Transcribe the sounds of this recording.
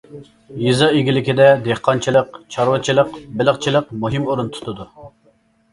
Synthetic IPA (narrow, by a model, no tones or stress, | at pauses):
jizɑeɡʲilɪkʲid̪ɛd̪eχqʰɑnt͡ʃʰilˠəqt͡ʃʰɑɾwɨt͡ʃʰilˠəqbɪlˠəχt͡ʃʰilˠəqmuɦimoɾunt̪ʰu̥t̪ʰʊd̪u